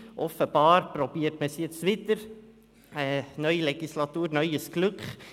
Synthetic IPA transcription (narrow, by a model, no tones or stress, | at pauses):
ʔɔfəb̥ɑːɾpɾɔb̥iːəɾtməsiət͡sʋɪt̪əɾ | ɛnœʏilɛɡ̥islɑt̪uːɾnœʏəsklʉkχ